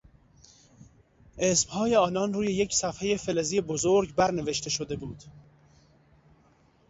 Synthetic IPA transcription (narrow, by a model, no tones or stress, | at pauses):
ʔesmhɒːjeɒːnɒnruːje̞jecʰsæfhe̞je̞fe̞lezijebozoɾɡbæɾne̞ve̞ʃt̪ʰe̞ʃod̪e̞buːd̪̥